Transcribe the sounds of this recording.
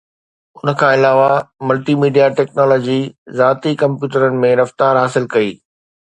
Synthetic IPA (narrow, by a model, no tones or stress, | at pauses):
ʊnə̆kʰãːɪlaːʋamʊlʈimiːɖijaʈɛːknɔːlɔːd͡ʑizaːt̪ikɐ̃mpjuːʈəɾənɪ̆mẽɾɐft̪aːɾɦaːsɪlkɐiː